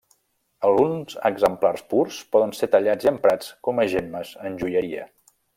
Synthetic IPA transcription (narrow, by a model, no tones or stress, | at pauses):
əlˠɣunzəɡzəmplarspuɾspɔðənset̪əʎad͡ziəmpɾat͡skɔməʒeməzənʲʒuʎəɾiə̰